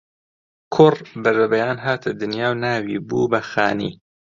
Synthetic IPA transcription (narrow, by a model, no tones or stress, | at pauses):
kʰʊrbɐɾɐbɐjaːnɦaːt̪ʰɨd̪ɨnjaːwnaːwiːbuːbɐxaːnḭː